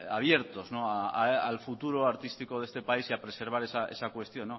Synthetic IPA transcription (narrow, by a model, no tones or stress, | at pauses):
aβ̞je̞ɾt̪o̞znoaaalfut̪uɾoaɾt̪ist̪iko̞ð̞e̞st̪e̞paisiapɾe̞se̞ɾβ̞aɾe̞saʔe̞̰sakwe̞st̪jo̞nːo